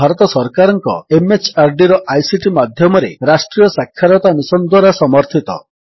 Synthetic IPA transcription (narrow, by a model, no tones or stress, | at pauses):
aɾɔt̪ɔsɔɾkaɾɔŋkɔ̰emet͡ʃaɾɖiɾɔʔajsiʈimad̪ʱjɔmɔɾḛɾasʈɾijɔsakʰːaɾɔt̪amisɔnd̪waɾasɔmɔɾt̪ʰit̪ɔ̰